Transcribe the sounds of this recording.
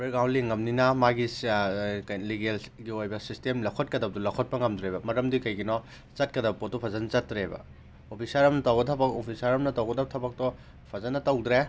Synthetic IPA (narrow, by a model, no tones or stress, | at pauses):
beɾɡawnliŋɐmninɐmaɡi | kɐliɡelɡiojbɐsistemlɐkʰot̚kɐdɐb̚d̪ulɐkʰot̚pɐŋɐmdɾebɐmɐɾɐmdikɐjɡinɔ | t͡ʃɐt̚kɐdɐbɐpot̚ːupʰɐzɐnɐt͡ʃɐt̚ːɾebɐ̰ | opʰisaɾɐmnɐtɐwɡɐtʰɐbɐkopʰisaɾɐmnɐtɐwɡɐdɐb̚tʰɐbɐk̚tɔ | pʰɐzɐnːɐtɐwdɾe